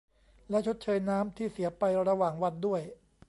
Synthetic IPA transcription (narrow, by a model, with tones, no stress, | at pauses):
lɛ˦˥ʔt͡ɕʰo˦˥t̪̚t͡ɕʰɤː˧jnaː˦˥mt̪ʰiː˥˩si˩˦ɐpa˧jɾa˧waː˨˩ŋwa˧ndu˥˩əj